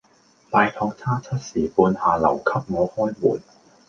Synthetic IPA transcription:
t̪aː˨˧jt̪ʰɔː˧k̚t͡sʰaː˥t͡sʰɐ˥t̚siː˨˩puː˨˧nhaː˨lɐ̰˨˩wkʰɐ˥p̚ŋɔː˨˧hɔː˥jmuː˨˩n

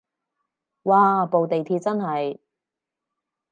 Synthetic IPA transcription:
waː˨po˨wt̪e˨jt̪ʰiː˧t̚t͡sɐ˥nhɐ˨j

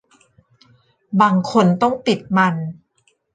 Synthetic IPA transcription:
baː˧ŋkʰo˧nt̪ɔ˥˩ŋt̪i˨˩t̪̚ma˧n

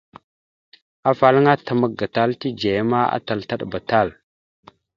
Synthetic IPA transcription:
a˨fa˨lŋa˦ta˨mə˨ɡ̚ɡa˨ta˦lti˦d͡ʒe˨jma˦a̰˦ta˨lta˦ɗba˨ta˦˨l

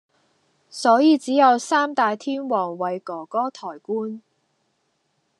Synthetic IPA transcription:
sɔː˨˥jiː˨˧t͡siː˨˥jɐ˨˧wsaː˥mt̪aː˨jt̪ʰiː˥nwɔː˨˩ŋwɐ˨˩jkɔː˨˩kɔː˥t̪ʰɔː˨˩jkuː˥n

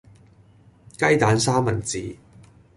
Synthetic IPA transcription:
kɐ˥jt̪aː˨˥nsaː˥mɐ˨˩nt͡sḭː˨˩

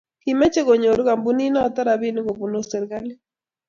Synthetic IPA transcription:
ki˨mɛ˦t͡ʃe˦ɣo˨ɲo˨ɾu˦ɡa˨mbu˦ni˦na˦ɔ˨t̪a˦ɾa˨βi˦ni˦ɡo˨bu˨no˦sɛ˨ɾɡa˦li˦

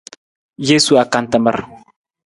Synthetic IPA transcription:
je˦su˨a˨ka˨nt̪a˨mə̰˨ɾ

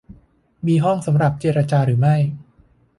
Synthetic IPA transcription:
miː˧ɦɔ˥˩ŋsa˩˦mɾa˨˩p̚t͡ɕeː˧ɾa˧t͡ɕaː˧ɾɯː˩˦ma˥˩j

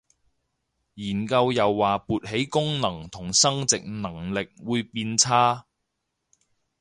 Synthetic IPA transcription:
jiː˨˩nkɐ˧wjɐ˨wːaː˨puː˨t̚ɦe˨˥jkʊ˥ŋnɐ˨˩ŋt̪ʰʊ˨˩ŋsɐ˥ŋt͡sɪ˨k̚nɐ˨˩ŋlɪ˨k̚wuː˨˧jpiː˧nt͡sʰaː˥

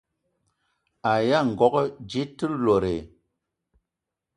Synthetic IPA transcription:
a˨ja˦ŋ̩˨ɡɔ˨˦kd͡ʒi˦tːɨ˦lo˨ɾe˨

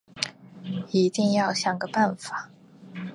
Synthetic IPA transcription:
i˧˥t̪i˥˧ŋjɑ˥˩ʊɕjɑ˨˩ŋɡə˧˦pa˥˩nfa˨˩˦

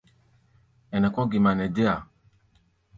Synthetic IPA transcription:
ɛ˨nɛ̃˨kɔ̃˦ɡi˨mã˨nɛ̃˨de˦a˨

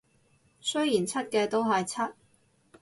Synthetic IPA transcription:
sɵ˥ɥjiː˨˩nt͡sʰɐ˥t̚kɛː˧t̪o˥wɦɐ˨jt͡sʰɐ˥t̚

